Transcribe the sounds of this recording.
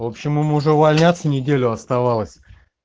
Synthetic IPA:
vo̞pɕːɪmɨmʊʐɛʊvɐlʲnʲat̪sənʲɪdʲelʲʊɐst̪ɐvalˠəsʲ

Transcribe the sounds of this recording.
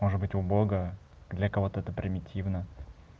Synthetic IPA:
moʐɨd̪bɨtʲʊbo̞ɡə | d̪lʲɐkɐvo̞t̪əɛt̪əpɾʲɪmʲɪtʲʰivnə

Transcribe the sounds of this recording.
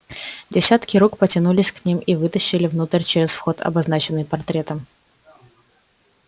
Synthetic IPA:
dʲɪsʲat̪kʲɪɾukpətʲɪnulʲɪsʲknʲimʔivɨt̪əɕːɪlʲɪvnut̪əɾʲt͡ɕɪɾʲɪsfxo̞t̪ɐ̰bɐznat͡ɕɪnːɨjpɐrt̪ɾʲe̞t̪əm

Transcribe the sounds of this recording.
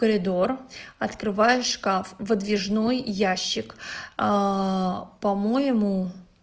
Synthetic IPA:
kəɾʲɪd̪o̞rɐt̪kɾɨvajʊʂkafvəd̪vʲɪʐno̞jjaɕːɪk | pɐmojɪmu

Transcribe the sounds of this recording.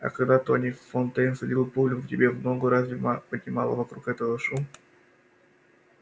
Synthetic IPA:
ɐ̰kɐɡd̪at̪onʲiffont̪ɛjnsɐdʲilˠəpulʲʊvtʲɪbʲevmnoɡəɾazvʲmpədʲnʲɪma̰lˠə̰vɐkɾukɛt̪əvəʂum

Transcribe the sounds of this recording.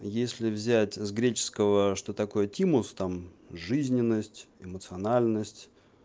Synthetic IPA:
jesʲlʲɪvzʲætʲzɡɾʲet͡ɕɪ̥skəvəʂt̪o̞t̪ɐko̞jətʲimʊst̪amʐɨzʲnʲɪnːəsʲtʲɪmət̪sɨɐnalʲnəsʲtʲ

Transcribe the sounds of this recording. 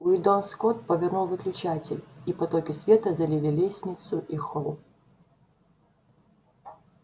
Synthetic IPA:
ʊɪd̪onskot̪̚pəvʲɪnulˠvɨklʲʊt͡ɕatʲɪlʲipɐt̪okʲɪsvʲet̪əzɐlʲilʲɪlʲesʲnʲɪt̪sʊʔixolˠ

